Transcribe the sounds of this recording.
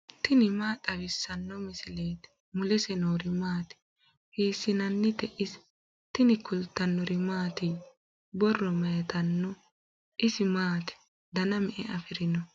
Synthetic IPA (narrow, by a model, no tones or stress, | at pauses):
t̪ɪnɪmaːt̪ʼɐɡɪsːɐnːɔmɪsɪleːt̪ | mʊlɛsɛnoːɾɪmaːt̪ɪ̥ | heːsːɪnɐnːɪt̪ɛʔɪs | t̪ɪnɪkʰʊlt̪ːɐnːɔɾɪmaːt̪ɪ | bɔrːɔmɐjɐt̪ɐnːɔ | ʔɪsɪmaːt̪ɪ̥ | d̪ɐnɐmɛʔɛʔɐfɪɾɪnɔ